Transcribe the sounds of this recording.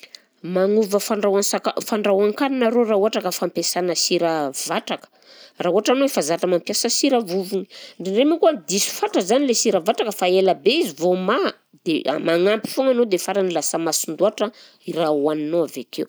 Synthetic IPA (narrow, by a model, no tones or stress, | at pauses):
maŋuvəfaɳɖ͡ʐawasakafaɳɖ͡ʐawaŋkaninaɾorauaʈ͡ʂakəfampesanəsiɾəvaʈ͡ʂakə̥ | rauaʈ͡ʂanoifazatəmampjasəsiɾəvuvuni̥ɳɖ͡ʐiɳɖ͡ʐemikuad̪isu̥faʈ͡ʂəzanilesiɾəvaʈ͡ʂakəfaeləbeizivoma | d̪̥ea̰maŋampi̥fuŋanod̪efaɾanilasəmasund̪uaʈ͡ʂə | irawannoavekew